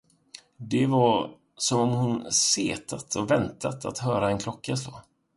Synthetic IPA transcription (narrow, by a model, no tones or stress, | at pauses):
d̪ɛvaɾ | sɔmɔmhʊnsḛːt̪ʰat̪ʰɔvɛnt̪at̪ʰa̰t̪ɦœːɾaɛnkʰlɔkːas̬loː